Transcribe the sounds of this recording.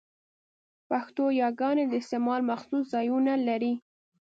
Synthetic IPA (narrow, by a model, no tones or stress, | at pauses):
paxt̪ojɑɡɑned̪əɪst̪emɑlmaxsuszɑjunalaɾi